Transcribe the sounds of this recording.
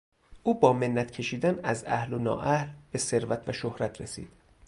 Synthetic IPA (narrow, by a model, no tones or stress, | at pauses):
ʔuːbɒːme̞nːæt̪cʰe̞ʃiːd̪ænæzæhlonɒ̰ːʔæhlb̥e̞se̞ɾvæt̪ʰvæʃohɾæt̪ʰɾesḭːd̪̥